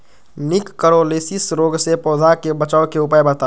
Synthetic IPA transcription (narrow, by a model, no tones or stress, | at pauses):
nɪkːəɾoleːsisɾoːɡsepɔːd̪ʱakebət͡ʃaːkeʊpaːjbət̪a